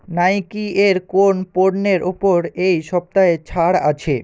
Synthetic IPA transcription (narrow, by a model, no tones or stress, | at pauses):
najkieɾkonpoɾneɾʔopoɾejʃɔp̚t̪aet͡ɕʰaɽa̰t͡ɕʰe